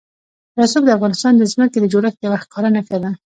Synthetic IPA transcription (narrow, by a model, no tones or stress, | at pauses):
ɾɑsubd̪əafɣɑnɪst̪ɑnd̪əzməked̪əd͡ʒoɾafjawaxkɑɾanakad̪a